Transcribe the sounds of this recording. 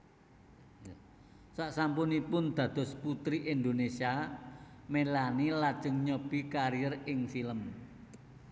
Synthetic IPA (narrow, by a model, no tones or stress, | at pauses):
j | saʔsampunipʊnd̪̥ä̤d̪̥ɔ̤sput̪ɾiʔind̪onesia | melanilad̥ʒ̥ə̤ŋɲɔb̥i̤kaɾijərɪŋfiləm